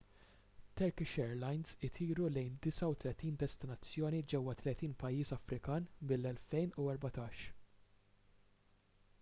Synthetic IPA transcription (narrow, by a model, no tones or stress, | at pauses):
t̪ɐɾkɪʃɛːɾlɐjnzɪt̪ʰiːɾulɛjnd̪ɪsɐwt̪lɛt̪iːnd̪ɛst̪ɪnɐt͡sːjɔːnid͡ʒɛwːɐt̪lɛt̪iːnpɐjːiːsɐfɾɪkɐːnmɪlːɛlfɛjnuɛɾbɐt̪ɐːʃ